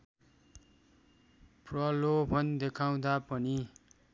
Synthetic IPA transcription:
prʌlobʱʌnd̪ekʰaw̃d̪apʌni

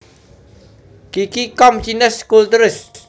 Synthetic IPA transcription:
kikikɔmt͡ʃinəskult̪uɾɪs

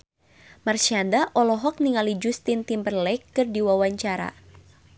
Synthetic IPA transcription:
marʃiadaʔɔlɔɦɔk̚niŋalid͡ʒust̪int̪imbərlɛjkːɨrdiwawaɲt͡ʃaɾa̰

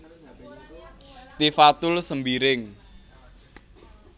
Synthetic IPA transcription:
t̪ifat̪ʊlsəmbiɾɪŋ

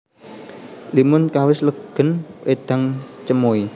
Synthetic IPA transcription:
limʊnkawɪsləɡ̥ə̤nwed̪̥a̤ŋt͡ʃəmoi

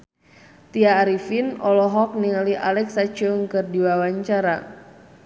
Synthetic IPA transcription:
t̪iaːɾifinɔlɔɦɔk̚niŋalia̰lɛksat͡ʃuŋkɨrdiwawaɲt͡ʃaɾa

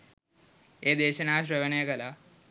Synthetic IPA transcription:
eːd̪eːɕɐnaːɕɾɐʋɐneːkɐla

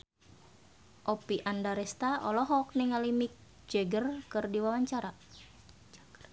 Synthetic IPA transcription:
ʔɔpiʔandaɾɛst̪aɔlɔɦɔk̚nɛŋalimik̚ | d͡ʒɛɡərkɨrdiwawaɲt͡ʃaɾa

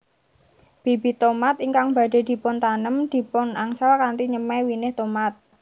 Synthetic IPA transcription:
b̥ibi̤t̪omat̪iŋkaŋba̤ɖe̤d̪̥i̤pʊnt̪anəmd̪̥i̤pʊnaŋsakant̪iɲəmɛwinɪht̪omat̪̚

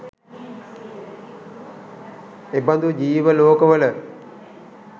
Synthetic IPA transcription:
eband̪ud͡ʒiːʋəloːkəʋələ

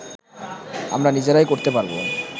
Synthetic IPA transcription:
a̰mɾanid͡ʑeɾajkoɾt̪epaɾbo̰

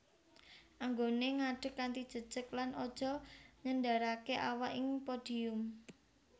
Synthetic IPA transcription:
ʔaŋɡoneŋaɖ̥ə̤kːant̪id̥ʒ̥ə̤d̥ʒ̥əklanʔɔd̥ʒ̥ɔ̤ɲəndaɾakeʔawaʔɪŋpod̥i̤ʊm

